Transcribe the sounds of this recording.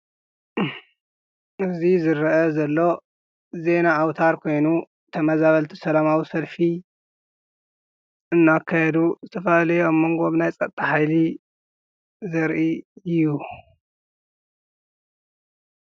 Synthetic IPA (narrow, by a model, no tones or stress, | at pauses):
ʔɨzizɨɾɐʔɐzɐlːo̞ | ze̞naʔawt̪ʰaɾkʰo̞jnu | t̪ʰɐmɐzaβɐlt̪ʰi̥sɐlamawisɐlfi | ʔɨnːakʰːajɛd̪uzɨt̪ʰɐfɐlɐjomːoŋɡo̞βnajt͡sʼɐt̪ʼːaħajli | zɐɾʔiju